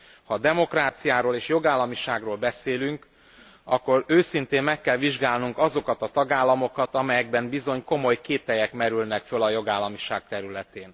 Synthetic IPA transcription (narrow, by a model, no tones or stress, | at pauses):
hɒd̪ɛmo̞kraːt̪sijaːɾoːleːʃjo̞ɡaːlːɒmiʃaːɡroːlbɛseːlyŋk | ɒkːo̞ɾøːsint̪eːmmɛkːɛlviʒɡaːlnuŋkɒzo̞kɒt̪ɒt̪ɒɡaːlːɒmo̞kɒt̪ɒmɛjɛɡ̚bɛmbizo̞ɲko̞mo̞jkeːt̪ɛjɛkmɛɾylnɛkfølɒjo̞ɡaːlːɒmiʃaːk̚t̪ɛɾylɛt̪eːn